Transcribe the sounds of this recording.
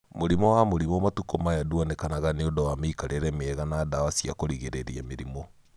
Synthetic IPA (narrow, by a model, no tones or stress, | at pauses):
moɾimɔwamoɾimɔmatukɔmajadwɔnekanaɣaneondɔwameːkaɾeɾɛmeɛɣanaːdawasia̰koɾiɣeɾeɾiɛmeɾimo